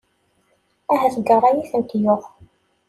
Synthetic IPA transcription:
æɦæθəɡərˤːɑjiθənt̪joʁ

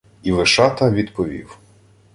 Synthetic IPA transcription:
ilˠɪʃɑt̪ɐʋʲid̪pɔʋʲḭw

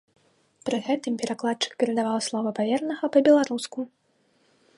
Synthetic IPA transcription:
pɾɨɣɛt̪ɨmpʲɛɾaklˠat̪̚t͡ʂɨ̥kːɐɾɨd̪avawslˠɔvɨpavʲɛrnɐɣɐpɐbʲɛlˠaɾusku

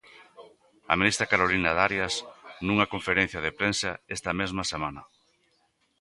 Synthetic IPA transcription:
ɐ̰minist̪ɾɐkaɾolinaðaɾjasnuŋɐkoɱfeɾẽn̟θjɐðepɾensɐest̪ɐmezmɐsemanɐ

